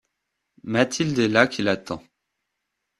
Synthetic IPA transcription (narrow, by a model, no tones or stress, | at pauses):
mat̪ʰild̪elakʲʰilat̪ɑ̃